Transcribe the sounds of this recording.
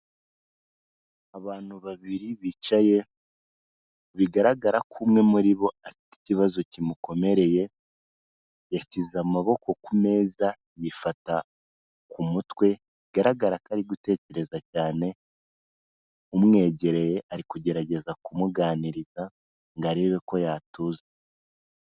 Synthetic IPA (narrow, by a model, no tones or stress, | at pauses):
aβaːn̥huβaβiɾiβiːt͡ʃaje̞ | βiɡaɾaɡaɾakʰumŋe̞muɾiβo̞ai̥ti̥ciβazo̞cimuko̞me̞ɾe̞je̞ | jaʃizamaβo̞ko̞kume̞ːza | jifata | kumutwe̞ | βiɡaɾaɡaɾakaɾiɡute̞ːce̞ɾe̞zacaːne̞ | umŋe̞ːɟe̞ɾe̞je̞ʔaɾikuɟe̞ɾaɟe̞zakumuɡaːniɾiza | ŋɡaɾeβe̞ko̞jaːtuːze